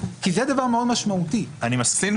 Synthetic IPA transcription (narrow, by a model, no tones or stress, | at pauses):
kized̪avaʁmeod̪maʃmaut̪ianimaskin